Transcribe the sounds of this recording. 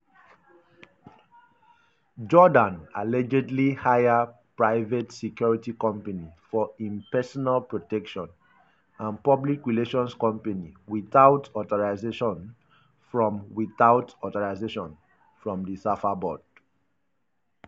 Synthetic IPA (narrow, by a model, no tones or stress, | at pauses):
d͡ʒɔdãnalɛd͡ʒɛdlihajapɹaɪvɛtsɛkjɔɹitikɔ̃mpanifɔĩmpɛsɔnalpɹotɛkʃɔ̃n | ãnpɔblikɹileʃɔ̃nskɔ̃mpaniwiθaʊtɔtɔɹaɪzeʃɔ̃n | fɹɔ̃mwiθaʊtɔtɔɹaɪzeʃɔ̃n | fɹɔ̃mdisafabɔd̥